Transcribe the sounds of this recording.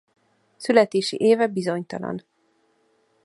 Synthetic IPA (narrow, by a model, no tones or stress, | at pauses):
sylɛt̪eːʃḭʔeːvɛbizo̞ɲt̪ɒlɒ̰n